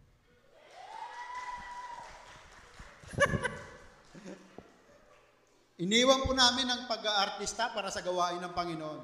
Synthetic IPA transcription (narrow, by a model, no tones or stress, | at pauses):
ʔɪniːwɐnpʊnaːmɪnːɐŋpɐɡaʔɐɾt̪ist̪ɐpaːɾɐsɐɡɐwaːʔɪnɐŋpɐŋɪnoʔon